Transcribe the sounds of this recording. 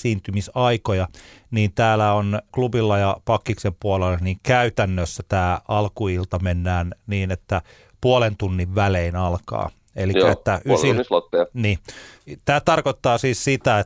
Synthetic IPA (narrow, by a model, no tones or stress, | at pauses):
siːnt̪ymisɑikojɑniːnt̪æːlæonklubilːɑjɑpɑkːiksempuolelːɑniːŋkæyt̪ænːøsːæt̪æːɑlkuilt̪ɑmenːæːnniːnet̪ːæ | puolent̪unːiʋʋæleinɑlkɑ̰ː | eliæet̪ːæʔysilslot̪ːeɑniːt̪æːt̪ɑrkot̪ːɑːsiːssit̪æe